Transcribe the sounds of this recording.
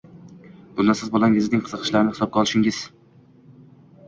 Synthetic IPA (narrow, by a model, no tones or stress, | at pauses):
b̥ʊnːasɪzbolˠaŋʲɪznɪŋqʰɨzɨqʰɨ̥ʃlaɾɪnɪhɪ̥sɒb̚ɡʲɑɒlˠɪʃɪŋɡɪz̥